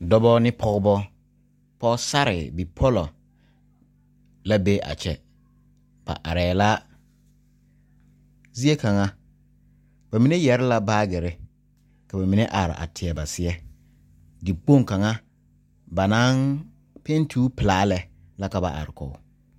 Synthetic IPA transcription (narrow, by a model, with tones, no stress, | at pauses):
dɔ˦bɔ˦nɪ˦pʰɔ˦ɣbɔ˦ | pɔ˦sa˦ɾɪ̰˨bi˨pʰɔ˦lɔ˨ | la˦be˦ʔa̰˨t͡ʃɛ˨ | b̥a̰˨ʔa˨ɾɛː˨la˦ | zi˦e˦ka˨ŋa˦ | ba˨mi˨˦ne˦jɛ˨ɾɪ˦la˦baː˦ɡɪ˨ɾɪ˦ | ka˨ba˨mi˨ne˦ʔa˨ɾɪ̰˨ʔa̰˨tʰɪ˨ɛ˨ba˨sɪ˦ɛ˦ | di˨k͡po˦˨ŋ˨ka˨ŋa˦ | ba˨na˦n | pe˦n˦tʰuː˦pɪ˨laː˦lɛ˨ | la˦ka˨ba̰˨ʔa̰˨ɾɪ˨kɔ̰˨˦